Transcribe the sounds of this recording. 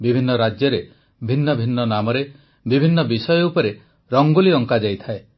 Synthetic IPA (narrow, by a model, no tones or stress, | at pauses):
bibʱinːɔɾad͡ʒjɔɾe | bʱinːɔbʱinːɔnamɔɾe | bibʱinːɔbisɔjɔupɔɾe | ɾɔŋɡuliɔŋkad͡ʒajt̪ʰae